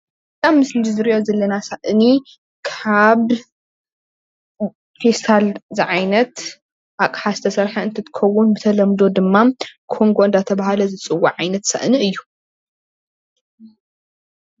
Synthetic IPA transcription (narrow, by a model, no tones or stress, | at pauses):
bɨt̪ʼamːɨsnd̪ɨzɨɾiʔo̞zɐlːɐnasɐʔni | kʰaβ | fʰest̪ʰalzɨʕajnɐt̪ | ʔakʼħazɨt̪ʰɐsɐɾħaɨnt̪ʰɨt̪ʰɨ̥xʰɐwːunbɨt̪ʰɐlɐmd̪o̞d̪ɨmːakʰo̞ŋɡond̪at̪ʰɐβaɦalɐzɨt͡sʼɨwːa̰ʕajnɐt̪sɐ̰ʔniʔɨjːu